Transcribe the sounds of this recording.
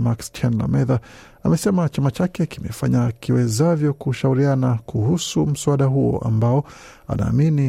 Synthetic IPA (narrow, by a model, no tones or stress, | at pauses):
makst͡ʃɛnla̰mɛða | a̰mɛsɛmat͡ʃamat͡ʃakɛkimɛfaɲakiwɛzavjɔkuʃauɾianakuhusum̩suaɗaɦuɔ̰ʔa̰mbaɔ | a̰na̰ːmini